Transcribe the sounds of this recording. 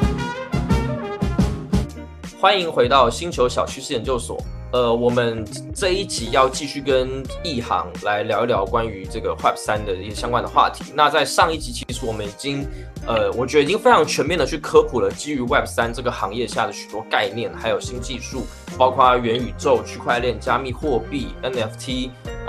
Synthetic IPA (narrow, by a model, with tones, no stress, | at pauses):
xwa˥ni˧˥ŋxwe˧˥ɪt̪ɑ˥˩ʊɕi˥nt͡ɕʰjo˧˥ʊɕjɑ˨˩ʊt͡ɕʰy˥ʂ̩˥˩jɛ˧nt͡ɕjo˥˩ʊswɔ̰˨˩˦ | ə˧wɔ˨˩mə˦n | t͡sa˥˧ɪi˥˩t͡ɕʰi˨˩jɑ˥˧ʊt͡ɕi˥˧ɕy˥˩kə˥ni˥˩xɑ̰˧˥ŋla˧˥ɪljɑ˧˥ʊljɑ˧˥ʊkwa˥ny˧˥ʈ͡ʂɤ˥˩ɡə˩wa˥˩p̚ʰsa˥nd̪ə˨i˥˩ɡə˩ɕjɑ˥ŋkwa˥nd̪ə˨xwa̰˥˩t̪ʰi̥˧˥˦na˥˧t͡sa˥˧ɪʂɑ˥˧ŋi˥˩t͡ɕʰi˧˥t͡ɕʰi˧˥ʂɻ̩˧˥wɔ˨˩mə˦ni˨˩t͡ɕi˥ŋ | ə˧wɔ˨˩t͡ɕɥɛ˧˥d̪əi˨˩t͡ɕi˥ŋfe˥ɪɑ˧˥ŋt͡ɕʰɥɛ˧˥nmjɛ˥˩nd̪ə˩t͡ɕʰy˥˩kʰɤ˥kʰu˨˩lə˦t͡ɕi˥y˧˥wa˥˩p̚sa˥nʈ͡ʂɤ˥˩ɡə˩xɑ˧˥ŋjɛ˥˧ɕja˥˩d̪ə˩ɕy̥˨˩t̪wɔ˥ka˥˧ɪnjɛ˥˩nxa˧˥ɪjo˨˩ʊɕi˥nt͡ɕi˥˧ʂu˥˩ | pɑ˥ʊkʰwa˥ɥɛ˧˥ny˨˩ʈ͡ʂo˥˧ʊt͡ɕʰy˥˧kʰwa˥˧ɪljɛ˥˩nt͡ɕja˥mi˥˧xwɔ˥˧pi˥˩ɛ˥nɛ˥ft̪ʰi˥